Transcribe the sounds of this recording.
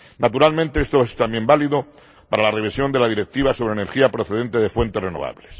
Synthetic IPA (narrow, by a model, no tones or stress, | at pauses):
nat̪uɾalmẽnt̪e̞est̪oest̪ambje̞mbaliðo | paɾalare̞β̞isjo̞nd̪e̞laðiɾe̞k̚t̪iβaso̞βɾene̞ɾxiapɾoθe̞ðe̞nt̪e̞ðe̞fwe̞nt̪e̞re̞noβ̞a̰βle̞s